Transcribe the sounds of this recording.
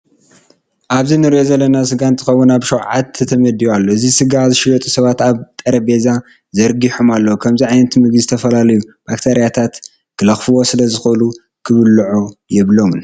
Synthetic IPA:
ʔaβzinɨɾiʔo̞zɐlːɐnas̬ɨɡant̪ʰːɨxɐwːunaβʃɐwʕat̪ʰːɨt̪ʰɐmɐd̪ijalːoɨzisɨɡazɨʃɪɡɐt̪ʼusɐβat̪aβt̪ʼɐɾɐbe̞za | zɐɾɡiħumalːɐwukʰɐmziʕajnɐt̪mɨɡizɨt̪ʰɐfɐlalɐjub̥akt̪ʰeɾijat̪ʰat̪ | kʰɨlɐxfɨwo̞sɨlɐzɨxɨʔlu | kʰɨβɨlʕojɛβlo̞mn

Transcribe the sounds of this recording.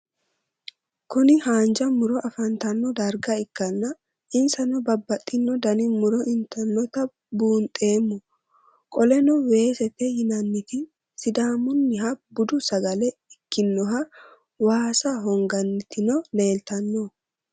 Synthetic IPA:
kʊnɪhaːnd͡ʒɐmʊɾɔʔɐfɐnt̪ɐnːɔd̪ɐɾɡɐɪkːɐnːɐ | ʔɪnsɐnɔbɐbːɐt̪ʼːɪnːɔd̪ɐnɪmʊɾɔʔɪnt̪ʰɐnːɔt̪ɐ | buːnt̪ʼe̞ːmːʊ | kʼɔlɛnɔwe̞ːsɛt̪ːɛjɪnɐnːɪt̪ɪ | sɪd̪aːmʊnːɪɦɐbʊd̪ʊsɐɡɐlɛɪkːɪnːɔɦɐ | waːsɐɦɔŋɡɐnːɪt̪ɪnɔle̞ːlt̪ɐnːɔ

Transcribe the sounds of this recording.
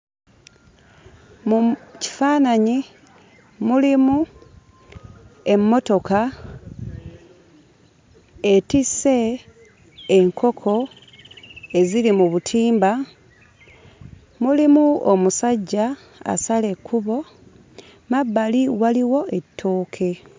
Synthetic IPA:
muci̥faːnaɲi | mulimu | e̞mːo̞to̞ka | e̞tise̞ | ŋkʰo̞kʰo̞ | e̞zilimuβutʰiːmba | mulimuomusaɟːa̰ː | sale̞kʰːuβo̞ | mabːaliwaliwo̞e̞tʰːoːkʰe̞

